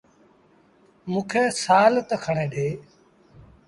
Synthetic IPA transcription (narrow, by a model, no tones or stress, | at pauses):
mũːkʰeːsaːlt̪əkʰəɳeːɗʱeː